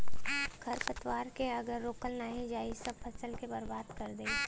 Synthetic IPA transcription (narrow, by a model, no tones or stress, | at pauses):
ɡʰʱɐɾpət̪waːɾkeɐɡəɾːoːkəlnaːɦĩd͡ʒaːisɐb̚pʰɐsəlkebɐɾbaːd̪kɐɾd̪e